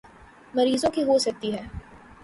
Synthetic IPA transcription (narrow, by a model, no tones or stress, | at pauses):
mɐɾiːzõkiɦosɐk̚t̪iɦɛː